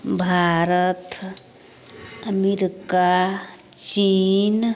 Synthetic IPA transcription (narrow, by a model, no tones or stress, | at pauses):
bʱaɾət̪ | əmiɾika | t͡ʃin